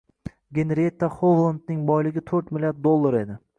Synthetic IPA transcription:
ɡʲenɾet̪ːaχovlˠand̪nɪŋbɒjlɪɡʲɪt̪ʰɵɾt̪mɪlʲijaɾd̪ːolˠːaɾe̞d̪ɪ

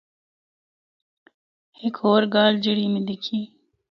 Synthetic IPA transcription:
hɪkʰoːɾɡɑːld͡ʒiɽimid̪ikʰi

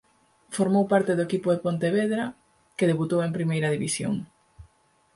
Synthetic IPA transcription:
foɾmowpaɾt̪ɪðʊekipʊðepont̪eβeðɾa | keðeβut̪owempɾimejɾɐðiβisjo̰ŋ

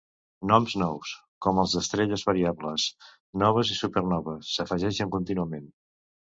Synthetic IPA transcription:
nɔmznɔws | kɔməlˠzðəst̪ɾeʎəzβəɾiaβləs | nɔβ̞əzisupəɾnɔβəsːəfəʒɛʃəŋkunt̪inuəmen

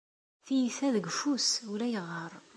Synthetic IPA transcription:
θijisæðəɡfusʊɾæjəʁːəɾˤ

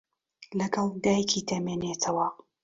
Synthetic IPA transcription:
lɐɡɐlˠd̪aːjkʰiːt̪ʰɐmeːneːt̪ʰɐwɐ

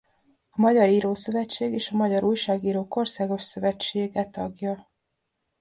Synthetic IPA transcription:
ɒmɒɟɒɾiːɾoːsø̞vɛt͡ʃːeːɡeːʃɒmɒɟɒɾuːjʃaːɡiːɾoːko̞rsaːɡo̞ʃsø̞vɛt͡ʃːeːɡɛt̪ɒɡjɒ

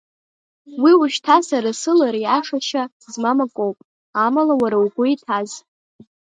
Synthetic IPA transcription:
wiʊʃtʰasaɾasɨlaɾiaʂaʃa | zmamakʼowpʼ | amalawaɾawɡʷʊitʰaz

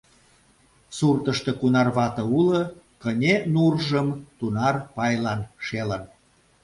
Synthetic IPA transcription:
surt̪əʃt̪ɤkunɑrβɑt̪ə̆ulɤ | kənʲenurʒəmt̪unɑrpɑjlɑnʃelən

